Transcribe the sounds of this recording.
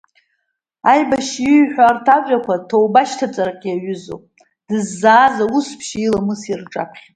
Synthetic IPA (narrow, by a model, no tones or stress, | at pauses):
ajbaʃiɥħʷᶣaːrtʰaʒʷᶣakʷatʰowbaʃtʰat͡sʼaɾaqʲʼiaɥʏzo̰pʼ | d̥ɨzːaːzauspʰʃilamɨsirʈ͡ʂʼa̰pʰχʲ